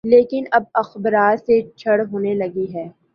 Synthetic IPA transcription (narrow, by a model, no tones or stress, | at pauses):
leːkɪnɐb̚ɐxbəɾaːt̪set͡ʃʰɐɽɦoːnelɐɡiɦɛː